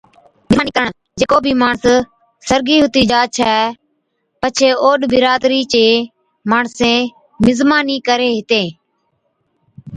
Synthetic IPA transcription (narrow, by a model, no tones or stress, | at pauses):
mɪːniːkəəɳ | d͡ʒeːkoːbʱiːmaːɳs | səɾɡiːɦʊt̪iːd͡ʒaːt͡ʃʰɛː | pət͡ʃʰeːoːɗbɪɾaːd̪ɾiːt͡ʃeː | maːɳsẽː | mɪzmaːniːkəɾeːɦɪt̪eː